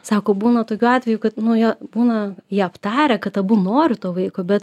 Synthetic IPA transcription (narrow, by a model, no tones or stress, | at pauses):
sɑːkoːbuːnɐt̪oːkʲuːɑːtʲʋʲɛjʊkɐt̪nʊjɛbuːnɐjiːɐpt̪ɑːɾʲɛkɐt̪ɐbʊnoːɾʲɪt̪oːʋɐɪkoːbʲɛt̪